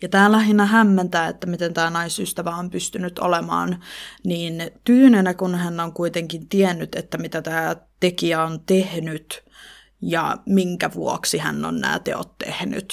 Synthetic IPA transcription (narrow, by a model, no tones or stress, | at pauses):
jɑt̪æːlæhinːæɦæmːent̪æːḛt̪ːæmit̪ent̪æːnɑisyst̪æʋæompyst̪ynyt̪o̰lemɑ̰ːnniːnt̪yhnenækunhænːoŋkuit̪eŋkint̪iɛnːyt̪et̪ːæmit̪æt̪æːt̪ekiæont̪ehnyt̪ | jɑ̰miŋkæʋṵoksihæ̰nːo̰nnæ̰ːt̪ḛo̰t̪tḛhny̰t̪